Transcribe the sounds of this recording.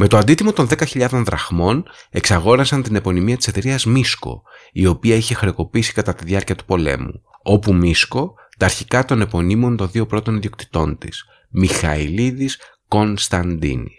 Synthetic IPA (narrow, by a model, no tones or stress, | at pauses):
me̞t̪o̞ɐnd̪it̪imo̞t̪o̞nðe̞kɐçiʎɐðo̞nðɾɐ̰ɣmo̞ne̞ksɐɣo̞ɾɐsɐnt̪ine̞po̞nimiɐt̪i̥se̞t̪e̞ɾiɐzmisko̞̰io̞piɐiçe̞xɾeoko̞piisi̥kɐt̪ɐt̪iðjɐɾciɐt̪u̥po̞le̞̰mṵ | o̞pumisko̞ | t̪ɐːɾçikɐt̪o̞ne̞po̞nimo̞nt̪o̞nðio̞pɾo̞t̪o̞niðio̞k̚t̪i̥t̪o̞nt̪ḭs | mixɐiliðis | ko̞nst̪ɐnd̪ḭni